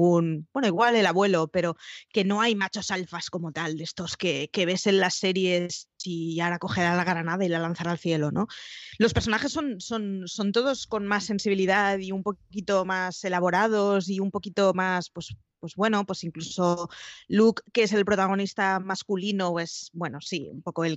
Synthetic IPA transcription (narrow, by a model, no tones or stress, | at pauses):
unbwe̞no̞iɣwale̞laβwe̞lo̞pe̞ɾo̞ke̞no̞ajmat͡ʃo̞salfasko̞mo̞t̪ald̪e̞st̪o̞ske̞ke̞β̞e̞se̞nlasːe̞ɾje̞siaɾako̞xeɾalaɣɾanaðailalan̟θaɾalθje̞lo̞no̞lo̞speɾsonaxe̞sːo̞nso̞nso̞nt̪oð̞o̞sko̞nmasːe̞nsiβiliðaðiumpo̞kit̪o̞mase̞laβ̞o̞ɾað̞o̞s̬iumpo̞kit̪o̞maspwe̞s | pwe̞zβwe̞nopwe̞siŋkluso̞lukːe̞se̞lpɾo̞t̪aɣ̞o̞nist̪amaskulinoesbwe̞no̞siṵmpo̞ko̞el